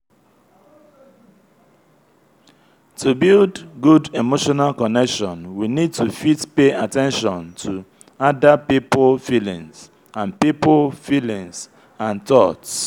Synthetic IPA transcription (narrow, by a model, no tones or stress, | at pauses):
tubildɡudemoʃɔnalkɔnɛkʃɔ̃nwinid̚tufitpeatɛ̃nʃɔ̃ntʰu | adapipolfilḭ̃ŋs | ãnpipolfilĩŋs | ãntɔts